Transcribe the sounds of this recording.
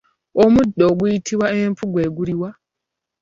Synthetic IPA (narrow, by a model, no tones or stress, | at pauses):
omudːoɡuitʰiwaempuɡwe̞ːɡuɾiwa